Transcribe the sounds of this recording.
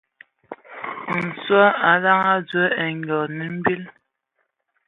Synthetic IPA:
n̩˨swɔ˦a˨la˦ŋa˦d͡zə˦ɛ˨ŋ˨ɡɔ˨ni˨m̩˦bi˦l

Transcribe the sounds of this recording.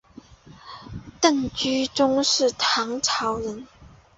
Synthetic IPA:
t̪ə˥˩ŋt͡ɕy˥ʈ͡ʂʊ˥ŋʂɻ̩˥˩t̪ʰɑ˧˥ŋʈ͡ʂʰɑ˧˥ʊɻə˧˥n

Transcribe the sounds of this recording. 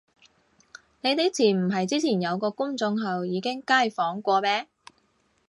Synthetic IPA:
ne˨˧jt̪e˨˥jt͡sʰiː˨˩m̩˨˩ɦɐ˨jt͡siː˥t͡sʰiː˨˩njɐ˨˧wkɔː˧kʊ˥ŋt͡sʊ˧ŋɦɐ˨wjiː˨˧kɪ˥ŋkaː˥˩jfɔː˨˥ŋkʷɔː˧mɛː˥

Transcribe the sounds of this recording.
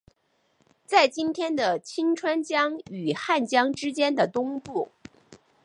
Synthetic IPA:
t͡sa˥˩ɪt͡ɕi˥nt̪ʰjɛ˥nd̪ə˨t͡ɕʰi˥ŋʈ͡ʂʰwa˥nt͡ɕjɑ˥ŋy˨˩xa˥˩nt͡ɕjɑ˥ŋʈ͡ʂɻ̩˥t͡ɕjɛ˥nd̪ə˨˩t̪ʊ˥ŋpu˥˩

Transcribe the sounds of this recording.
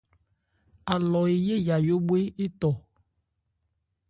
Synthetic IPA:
a˨lɔ˨e˨je˦ja˨jo˦bwe˦e˦t̪ɔ˨

